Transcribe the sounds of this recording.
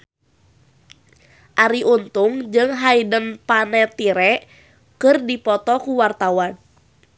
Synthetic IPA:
ʔaɾiʔunt̪uŋd͡ʒɨŋɦaidənpanɛt̪iɾɛ | kɨrdipɔt̪ɔkuwart̪awan

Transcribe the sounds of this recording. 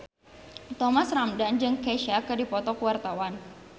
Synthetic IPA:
t̪ɔmasramdand͡ʒɨŋkeʃakɨdipɔt̪ɔkuwart̪awan

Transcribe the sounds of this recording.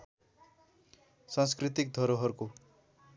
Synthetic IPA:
sãnskrit̪ik̚d̪ʱʌɾoɦʌɾuko

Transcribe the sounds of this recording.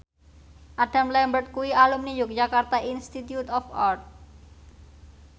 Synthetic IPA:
ʔaɖ̥a̤mlɛmbərt̪̚kuwialumnijʊk̚d͡ʒakart̪ainst̪it̪jut̪ɔfɔrt̪̚

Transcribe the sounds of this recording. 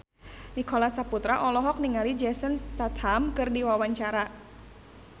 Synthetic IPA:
nikɔlasaput̪ɾaʔɔlɔɦɔk̚niŋalid͡ʒɛsənst̪at̪hamkɨrdiwawaɲt͡ʃaɾa

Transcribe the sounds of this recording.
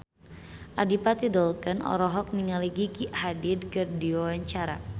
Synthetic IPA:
ʔadipat̪idɔlkənɔ̰ɾɔɦɔk̚niŋaliɡiɡiʔhadɪd̚kɨrdiwawaɲt͡ʃaɾa̰

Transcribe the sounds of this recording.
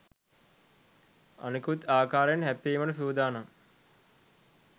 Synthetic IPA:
a̰nikut̪aːkaːɾjenɦɛpːiːmɐnusuːd̪aːnaŋ

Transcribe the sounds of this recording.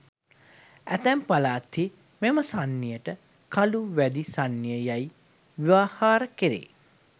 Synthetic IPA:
æt̪æmpalaːt̪i | meməsanːijəʈə | kaluʋæd̪isanːijəjaj | ʋiʋaːhaːɾəkeɾḛː

